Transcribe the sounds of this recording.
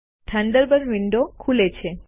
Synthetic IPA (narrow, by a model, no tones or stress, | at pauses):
t̪ʰãɳɖəɾbənʋiɳɖokʰulet͡ʃʰe